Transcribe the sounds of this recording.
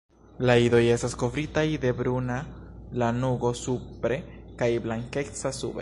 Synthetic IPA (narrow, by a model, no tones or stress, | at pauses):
laido̞je̞stasko̞vɾitajde̞bɾunalanuɡo̞supɾe̞kajblaŋke̞t͡sasṵbḛ